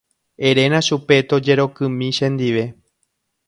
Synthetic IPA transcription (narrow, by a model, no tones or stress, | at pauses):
e̞ɾe̞nãʃupe̞t̪o̞d͡ʒe̞ɾo̞kɨ̃mĩʃẽnd̪iʋe̞